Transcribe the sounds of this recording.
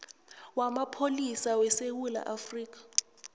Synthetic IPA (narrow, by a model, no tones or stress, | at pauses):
wamapʰolisawɛsewula̰ʔafriːk̬ʼḁ